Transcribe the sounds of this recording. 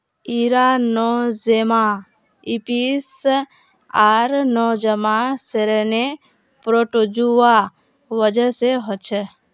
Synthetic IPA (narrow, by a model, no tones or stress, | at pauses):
iɾanɔzema | ipis | aɾnɔd͡ʒəmaseɾəne | pɾoʈod͡ʒua | ʋəd͡ʒəseɦɔt͡ʃʰe